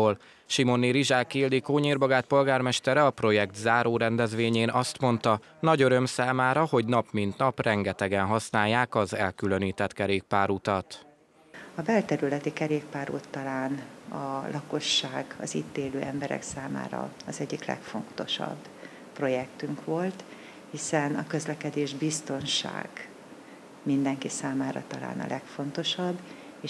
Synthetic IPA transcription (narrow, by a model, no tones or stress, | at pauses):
oːl | ʃimo̞niɾiʒaːkiːld̪ikoːɲiːrbɒɡaːt̪̚po̞lɡaːrmɛʃt̪ɛɾɛɒpro̞jɛɡt̪zaːɾoːɾɛnd̪ɛzʋeːɲeːnʔɒst̪mo̞nt̪ɒ | nɒɟøɾø̞msaːmaːɾɒho̞ɟnɒpmint̪nɒprɛŋɡɛt̪ɛɡɛnɦɒsnaːjːaːkɒzɛlkylø̞niːt̪ɛt̪kɛɾeːk̚paːɾut̪ɒt̪ | ɒbɛlt̪ɛɾylɛt̪ikɛɾeːk̚paːɾut̪ːɒlaːnɒlʔɒko̞ʃːaːɡɒ̰ziːt̪ːeːløːɛmbɛɾɛ̰ksaːma̰ːɾɒ̰ɒzɛɟːiklɛ̰kfo̞̰nt̪o̞ʃɒ̰bː | pro̞jɛkt̪yŋkʋo̞lt̪ | hisɛnɒkø̞zlɛkɛd̪eːʒbist̪o̞nʃa̰ːɡ̥ | mind̪ɛŋkisaːmaːɾɒ̰t̪ɒla̰ːnɒ̰lʔɛkfo̞nt̪o̞ʃɒbː | eː